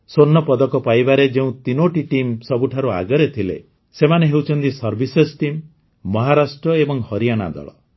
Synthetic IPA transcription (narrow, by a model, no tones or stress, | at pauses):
sonːɔpɔd̪ɔkɔpajbaɾed͡ʒeũt̪inoʈiʈimsɔbuʈʰaɾua̰ɡɔɾet̪ʰilḛ | semaneɦewt͡ʃʰɔnt̪isɔɾbʱisesʈimː | ɔɦaɾasʈɾɔebɔŋhɔɾijaɽ̃a̰d̪ɔ̰ɭɔ̰